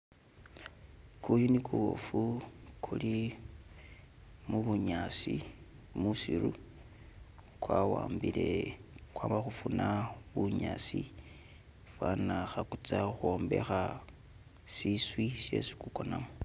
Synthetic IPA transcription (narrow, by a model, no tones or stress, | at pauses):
kujunikʰuwo̰fukʰuli | muβuɲasi | musiɾu | kwawaːmbile̞kwaːmbaxufunaβuɲasi | fwanaxakut͡saxuo̞ːmbe̞xa | siswisje̞̰si̥kukonamo